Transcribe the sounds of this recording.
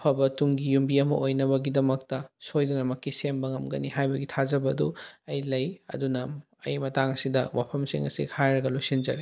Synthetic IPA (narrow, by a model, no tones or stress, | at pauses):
ɐpʰɐbɐtuŋɡijumbiɐmɐ̰ʔojnɐβɐɡidɐmɐk̚tɐsojdɐnɐmɐkːisembɐŋɐmɡɐ̰nihajbɐɡitʰazɐbɐduɐjlɐjɐ̰dunɐ | ɐ̰jmɐtaŋɐsidɐwapʰɐmsḭŋɐ̰sḭkʰajɾɐɡɐlojsind͡ʒɐ̰ɾi